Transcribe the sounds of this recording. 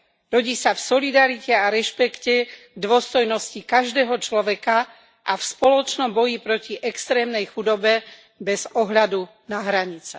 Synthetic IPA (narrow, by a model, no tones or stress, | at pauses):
ɾɔɟiːsafsɔlid̪aɾicɛaɾɛʃpɛkcɛɡd̪ʊɔst̪ɔjnɔscikaʒd̪ɛːɦɔt͡ʃlɔʋɛka | ʔafspɔlɔt͡ʃnɔmbɔjipɾɔciʔɛkst̪ɾɛːmnɛjxud̪ɔbɛ | bɛz̥ɔɦʎad̪u | naɦɾaɲit͡sɛ̥